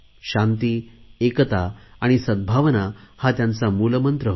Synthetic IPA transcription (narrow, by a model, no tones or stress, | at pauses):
ɕãnt̪iekət̪aːɽ̃isəd̪̚bʱaʋənahat̪jant͡samuləmənt̪ɾəɦ